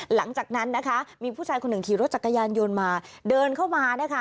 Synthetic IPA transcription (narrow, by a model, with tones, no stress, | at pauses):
la˩˦ŋt͡ɕaː˨˩k̚na˦˥nːa˦˥kʰa˦˥miː˧pʰu˥˩t͡ɕʰaː˧jkʰo˧nːɯ˨˩ŋkʰiː˨˩ɾo˦˥t̪̚t͡ɕa˨˩kːa˧jaː˧njo˧nmaː˧dɤː˧nkʰa˥˩wmaː˧na˦˥kʰa˦˥